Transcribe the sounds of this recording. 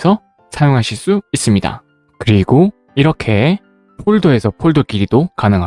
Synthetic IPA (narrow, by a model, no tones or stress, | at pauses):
sʰʌ | sʰajoŋɦaɕʰiɭs͈uis͈ɯmɲida̰ | kɯɾiɡo | iɾʌkʰe̞ | pʰoɭdoe̞sʰʌpʰoɭdokiɾidokanɯŋɦa